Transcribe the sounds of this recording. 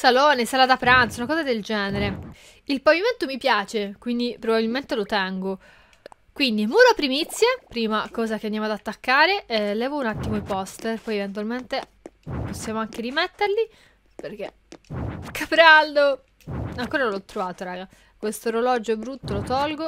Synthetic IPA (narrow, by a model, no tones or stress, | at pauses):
salɔːnesaːlad̪apɾant̪sunakɔːzad̪eld͡ʒɛːneɾe | ilpaviment̪omipjaːt͡ʃekwind̪ipɾobabilment̪elot̪ɛŋɡo | kwind̪imuːɾoapːɾimit̪sːjepɾiːmakɔːzak̟eand̪amoad̪at̪ːakːaːɾelɛːvounat̪ːimoipɔst̪erpɔjevent̪uwalment̪e | posːjaːmoaŋk̟eɾimet̪ːeɾli | perk̟e | kapɾald̪o | aŋkoːɾanolɔt̪ːɾovaːt̪oɾaːɡa | kwest̪oɾolɔd͡ʒoɛbɾut̪ːolot̪ɔlɡo